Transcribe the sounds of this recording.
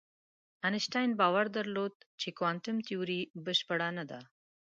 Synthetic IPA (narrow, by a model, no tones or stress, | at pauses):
anɪʃʈajnbɑwaɾd̪aɾlod̪̚t͡ʃekwaɳʈʊmt̪ijuɾibəʃpəɽanad̪a